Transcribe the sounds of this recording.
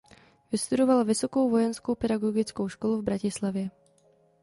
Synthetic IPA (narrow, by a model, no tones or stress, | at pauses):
vɪst̪udovalvɪso̞ko̞wvo̞jɛnskowpɛdaɡoɡɪt͡skowʃkoluvbɾacɪslavjɛ